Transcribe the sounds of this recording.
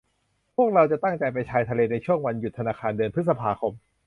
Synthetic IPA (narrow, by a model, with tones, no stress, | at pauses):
pʰu˥˩ək̚ɾa˧wt͡ɕa˨˩t̪a˥˩ŋt͡ɕa˨˧jp̬a˧jt͡ɕʰaː˧jt̪ʰa˧leː˧na˧jt͡ɕʰu˥˩əŋwa˧nju˨˩t̪ʰːa˧naː˧kʰaː˧ndɯː˧npʰɯ˦˥sa˧pʰaː˧kʰo˧m